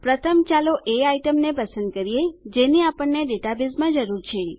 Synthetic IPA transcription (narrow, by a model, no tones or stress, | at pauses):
pɾət̪ʰəmt͡ʃaloʔeaiʈəmnepəsənd̪̚kəɾijed͡ʒeneapəɳːeɖeʈabizmãd͡ʒəɾuɾt͡ʃʰe